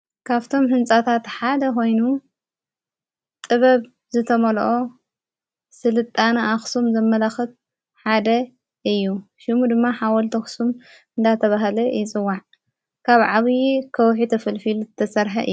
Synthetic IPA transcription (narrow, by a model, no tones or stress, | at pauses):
kʰaβt̪ʰo̞mhɨnsʼat̪ʰat̪ħad̪ɐko̞jnu | t̪ʼɨβɐβ | zɨt̪ʰɐmɐlʔo̞ | sɨlɨt̪ʼːanɨaxsumzɐmːɐlaxɨt̪̚ | ħad̪ɐ | ʔɨjːuʃɪmud̪ɨmːaħawɐlt̪ʰɐxsum | ɨnd̪at̪ʰɐβaɦlɐjɪt͡sʼɨwːaʕ | kʰaβʕaβjkʰɐwħit̪ʰɐfɐlfilut̪ʰɐsɐɾħɐʔɨ̰